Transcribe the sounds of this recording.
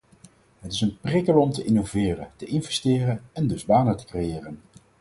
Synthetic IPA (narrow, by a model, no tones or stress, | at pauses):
ɦətɪsənprɪkəlɔmtəʔɪnovɪːrəntəʔɪnvɛstɪːrənɛndɵzbaːnətə̥krejɪːrən